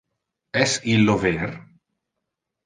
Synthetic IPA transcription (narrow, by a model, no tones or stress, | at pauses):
ɛsilːoveɾ